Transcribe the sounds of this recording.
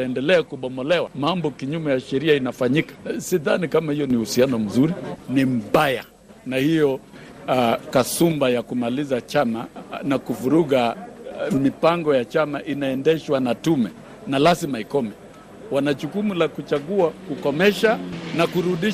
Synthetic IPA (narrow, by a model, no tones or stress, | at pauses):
ɛndɛlɛakuɓɔmɔlɛwamambɔkiɲumɛjaʃɛɾiainafaɲikḁsiðanikamahijɔnihusianɔm̩zuɾinim̩ɓaja̰ | nahijɔ | kasumbajakumalizat͡ʃamanakuvuɾuɠa | mipaŋɡɔjat͡ʃamaʔinaɛndɛʃwanatumɛ | nalazimaikɔmɛ | wanat͡ʃukumulakut͡ʃaɠuakukɔmɛʃanakuɾuɗi